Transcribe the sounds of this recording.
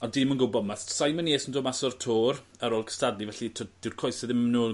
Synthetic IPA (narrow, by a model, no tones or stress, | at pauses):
ɔdɪmənɡʊbɔdmasajməneːsəndoːmasɔrtʰoːrəɾoːlˠkʰə̥stadlivɛɬitʰd̥ɪwrkʰɔjsəðɪmnuː